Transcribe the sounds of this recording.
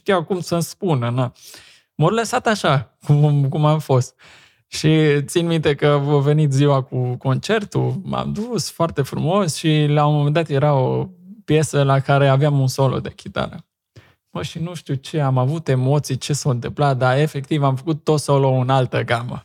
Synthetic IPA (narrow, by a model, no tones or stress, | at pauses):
ʃt̪ijawkumsənspunəna | morləsat̪aʃakumkumamfo̞st̪̚ | ʃit̪sinmint̪e̞kəvove̞nit̪ziwakuko̞nt͡ʃe̞rt̪uma̰md̪usfoart̪e̞fɾumo̞sʃilaomomend̪at̪je̞ɾaopje̞səlakaɾe̞aveamunso̞lo̰d̪e̞kʲit̪a̰lə | bəʃinuʃt̪ut͡ʃe̞amavut̪e̞mo̞t̪sijt͡ʃe̞saoɨnt̪ɨmplat̪̚d̪ae̞fe̞kt̪ivamfəkut̪ːot̪solounalt̪əɡamə̰